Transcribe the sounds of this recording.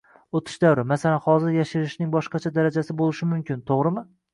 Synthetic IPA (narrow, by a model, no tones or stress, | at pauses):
ot̪ʰɪ̥ʃd̪awɾɪmasalanhɒzɪɾjaʃɪɾɪʃnɪŋbɒʃqɑt͡ʃʰad̪aɾad͡ʒasɪbolˠɪʃɪmʊmkʲɪnt̪ʰoʁɾɪmɪ